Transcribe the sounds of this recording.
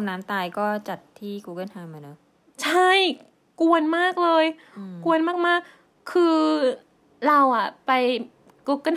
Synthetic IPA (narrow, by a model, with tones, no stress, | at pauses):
naː˦˥mt̪aː˧jkɔː˥˩t͡ɕa˨˩t̪ʰːiː˥˩kuː˧˥kɯ˥˩nha˧mʔa˨˧˩nɤ˦˥ | t͡ɕʰa˥˩j | ku˧ənmaː˥˩k̚lɤː˧j | ku˧ənmaː˥˩k̚maː˥˩k̚ʰː | ɯː˧ | ɾa˧wʔa˨˩pa˧j | kuː˦˥kɯ˥˩n